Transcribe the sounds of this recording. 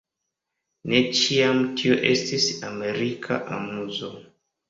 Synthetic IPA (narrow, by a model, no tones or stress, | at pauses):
ne̞t͡ʃiamtʰioʔe̞stisame̞ɾikʰa̰ʔa̰muzo